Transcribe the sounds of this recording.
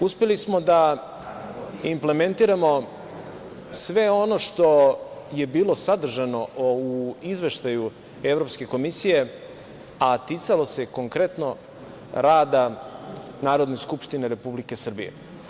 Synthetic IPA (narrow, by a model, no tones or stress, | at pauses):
uspe̞lismo̞d̪a | imple̞me̞nt̪iɾamo̞ | sʋe̞o̞no̞ʂt̪o̞je̞biːlo̞sad̪r̩ʒano̞uizʋe̞ʃt̪aju | e̞vɾo̞pske̞ko̞misije̞ | at̪it̪salo̞se̞ko̞ŋkɾe̞t̪no̞ | ɾaːd̪a | naːɾo̞d̪neskupʃt̪ineɾe̞publike̞sr̩bḭjḛ